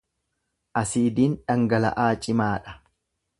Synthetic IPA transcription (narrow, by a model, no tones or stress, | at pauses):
ʔɐsiːd̪iːnᶑɐŋɡɐlɐ̰ʔaːt͡ʃʼɪmaːᶑɐ̥